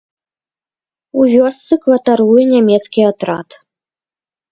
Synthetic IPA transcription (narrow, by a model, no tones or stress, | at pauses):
uvʲɔst̪sɨkvɐt̪aɾujɛnʲamʲɛt̪skʲiat̪ɾa̰t̪